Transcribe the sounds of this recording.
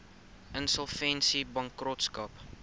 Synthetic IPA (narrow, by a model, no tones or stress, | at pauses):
ʔənsəlˠfɛnsibɐŋkrɔtskɐp